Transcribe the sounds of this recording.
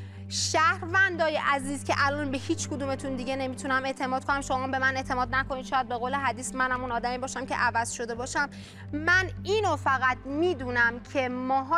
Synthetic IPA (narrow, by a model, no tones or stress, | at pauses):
ʃæhɾvænd̪ɒːjeʔæziːz̥cʰeʔælɒːnbehiːt͡ʃʰkʰod̪uːme̞t̪ʰund̪iɟe̞ne̞miːt̪ʰunæme̞ʔt̪ʰe̞mɒːd̪̚kʰo̞næmʃo̞mɒːmbe̞mæne̞ʔt̪ʰe̞mɒːd̪̚næko̞niːd̪ʃɒːjæd̪̚be̞ɣole̞ɦæd̪iːsmænhæmunɒːd̪æmibɒːʃæmcʰe̞̰ʔævæz̥ʃo̞d̪e̞bɒːʃæm | mæniːnofæɣæt̪miːd̪uːnæmcʰe̞mɒːɦɒː